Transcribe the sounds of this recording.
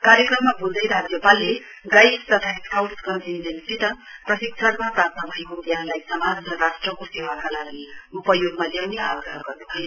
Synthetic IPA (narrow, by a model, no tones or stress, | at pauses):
kaɾjʌkrʌmːabuld̪ʌjɾad͡zjʌpalːe | ɡajst̪ʌt̪ʰaesʰawskʌntindensit̪ʌprʌsiksʰʌrmaprat̪nʌbʱʌekot̪jãnlajsʌmad͡zrʌɾasʈrʌkosewakalaɡiupʌjoɡmaljewneawɡrʌɦʌɡʌrnubʱʌjo